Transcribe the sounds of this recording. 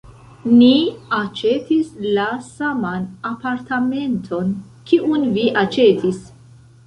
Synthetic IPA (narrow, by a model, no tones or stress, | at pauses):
niat͡ʃe̞tislasamanapaɾtʰame̞ntʰo̞n | kiʔunviʔat͡ʃe̞tʰis